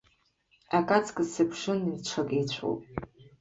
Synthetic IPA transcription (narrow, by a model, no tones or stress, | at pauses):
akʼat͡sʰʼkʼɨzsɨpʰʂɨnit͡ʃʷʰakʼejt͡ɕʷʰo̰pʼ